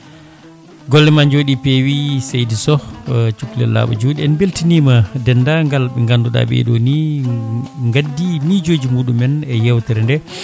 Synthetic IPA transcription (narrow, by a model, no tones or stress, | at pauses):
ɡɔlːɛmand͡ʒoːɗipewisajdisɔt͡ʃuklɛ̰lːa̰ːɓɔ̰d͡ʒoɗiɛnbeltinimadɛndaŋɡalɓɛŋɡanduɗa̰ɓɛ̰ɗoni | ŋɡadːimid͡ʒod͡ʒimuːɗumɛnɛjɛwtɛɾndɛ